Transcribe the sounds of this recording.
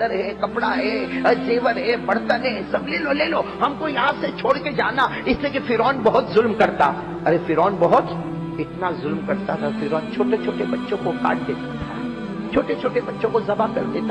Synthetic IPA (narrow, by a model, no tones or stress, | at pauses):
əɾɦɛkɐpɽaɦɛd͡ʒeːʋəɾɦɛbɐɽt̪ənɦɛ̃sɐbleːloleːloːɦɐmkojɐɦãset͡ʃʰoːɽked͡ʒaːnaɪsliekifɪɾɔːnbɐɦʊt̪zʊlmkɐɾt̪a̰ | ɐɾefɪɾɔːnbɐɦʊt̪ | ɪt̪nazʊlmkɐɾt̪at̪ʰafɪɾɔːnt͡ʃʰoːʈet͡ʃʰoːʈebɐtːʃõkoka̰ːʈ̚d̪eːt̪at̪ʰa | t͡ʃʰoːʈet͡ʃʰoːʈebɐtːʃõkozɐbakɐ̰ɾd̪eːt̪a